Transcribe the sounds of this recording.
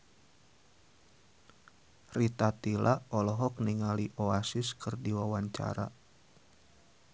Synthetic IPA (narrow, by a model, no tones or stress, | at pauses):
rit̪at̪ilʔaɔlɔɦɔk̚niŋaliʔoasɪskɨrdiwawaɲt͡ʃa̰ɾa̰